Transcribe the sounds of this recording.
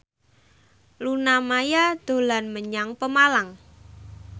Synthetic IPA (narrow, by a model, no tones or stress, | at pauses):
lunamajad̪̥o̤lanməɲaŋpəmalaŋ